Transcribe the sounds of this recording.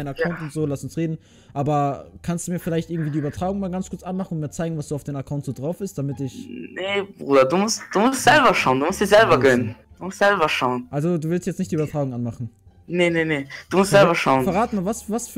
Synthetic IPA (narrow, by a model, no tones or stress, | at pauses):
ɪnakaʊntʊntz̥oːlasʊnsʁeːdn̩ | ʔaːbɐkʰanstd̥uːmiːɐfɪlaɪçt̚ɪɡŋ̩tv̥iːdiːybɐtʁ̥aːɡʊŋmaːlɡant͡skʰʊɐt͡sʔanmaχn̩ʊntmiːɐt͡saɪɡŋ̩vasd̥uːaʊfd̥eːmakʰaʊntz̥oːdʁaʊfɪstd̥amɪtɪçnebʁuːdɐduːmʊstd̥uːmʊstz̥ɛlbɐʃaʊnduːmʊstd̥iːzɛlbɐɡœnən | d̥uːmʊstz̥ɛlbɐʃaʊənʔalzoduːvɪlstjɛt͡snɪçtd̥iːyːbɐtʁ̥aːɡʊŋʔanmaχn̩ | nenened̥uːmʊstzɛlbɐʃaʊənfɛɐʁaːtəmaːvasvasf